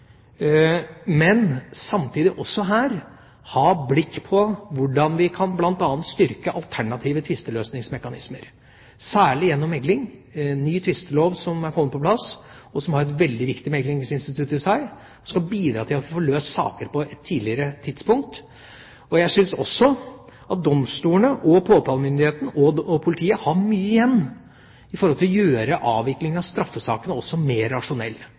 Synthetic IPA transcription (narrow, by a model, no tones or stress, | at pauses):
mɛnsɑmt̪ʰiːd̪ɪʔɔsːɔɦæːɾ | hɑːblɪkːpʰɔʋʊɖɑnʋɪkʰɑnblɑnt̪ɑnːnt̪st̪ʏɾkəʔɑlt̪ʰæɳɑt̪ʰiːʋət̪ʰʋɪst̪əløːsnɪŋsmɛkɑnɪ̰sməɾ | sæːɭɪjɛnːɔmːɛɡlɪŋnːyːt̪ʰʋɪst̪əloːʋsɔmæɾkʰɔmːət̪pʰɔpʰlɑs | ɔsɔmhɑɾɛnʋɛld̪ɪʋɪkt̪ɪmɛɡlɪŋsɪnst̪ɪt̪ʰʉt̪ːɪsæɪ | ɔskɑbiːd̪ɾɑ̰ːt̪ʰɪlɑt̪ffɔɭøːssɑ̰ːkəɾpʰɔɛt̪ʰːiːlɪəɾət̪ʰɪd̪spʊŋk̚t̪ | ɔjææʂʏlsɔ̰sːɔ | ɑt̪̚d̪ɔmst̪uːənəʔɔpʰoːt̪ʰɑːlmʏnd̪ɪheːt̪n̩ɔpʰʊlɪt̪ʰiːəhɑmyːəɪjɛnː | ɪfɔɾhɔlt̪ɪlɔjøːɾəʔɑːʋɪklɪŋɑʋst̪ɾɑfːəsɑːkənəɔsːɔmeːɾːɑʂʊnɛlː